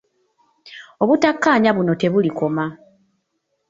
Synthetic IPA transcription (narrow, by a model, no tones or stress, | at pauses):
o̞βutakːaːɲaβuno̞te̞βuliko̞ma